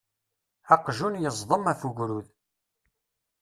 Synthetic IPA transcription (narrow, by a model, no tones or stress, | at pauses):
æqʒunjəzˤðˤəmæfuʝɾuð